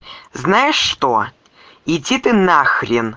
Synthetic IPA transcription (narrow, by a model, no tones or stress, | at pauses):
znajɪʂːt̪o | id͡zʲit̪ɨnaxɾʲɪn